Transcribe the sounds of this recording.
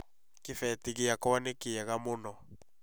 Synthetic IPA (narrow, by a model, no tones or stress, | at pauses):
kɪfɛtiɣɪjakɔwanekɪjaɣamʊnɔ